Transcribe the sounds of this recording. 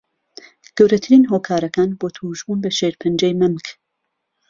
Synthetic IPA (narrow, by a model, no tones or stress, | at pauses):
ɡ̥ɐwɾɐt̪ʰɨɾiːnɦoːkʰaːɾɐkaːnboːt̪ʰuʒuːnbɐʃeːɾpʰɨnd͡ʒejmɨmk